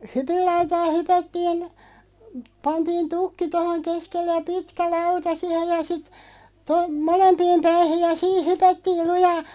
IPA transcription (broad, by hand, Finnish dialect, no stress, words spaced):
hypilːɑutɑː hypætːiːn pɑntiːn tukːi tohoŋ keskelːe jɑ pitkæ lɑutɑ sihej jɑ sit to molempiːm pæihij̆ jɑ siːh hypætːiːl lujɑː